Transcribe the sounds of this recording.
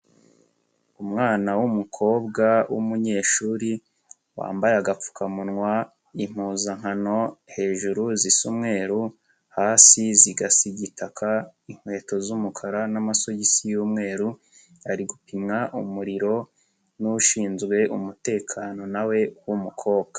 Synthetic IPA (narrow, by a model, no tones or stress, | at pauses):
umŋaːnawumukʰo̞ːbɡawʔṵmuɲe̞ːʃuːɾi | wa̰ːmbajaɡap͡fu̥kʰamunŋwa | im̥huːzaŋ̥hano̞he̞ːʒuɾuzisumŋe̞ːɾu | haːsiziɡasiɟitʰakʰaiŋ̥hwe̞ːto̞zumukʰaɾanamaso̞jisijuːmŋe̞ːɾu | aɾiɡupimŋaʔumuɾiɾo̞ | nuʃiːnzɡwe̞ʔumute̞ːkʰaːno̞nawe̞wumukʰo̞ːbɡ̥ḁ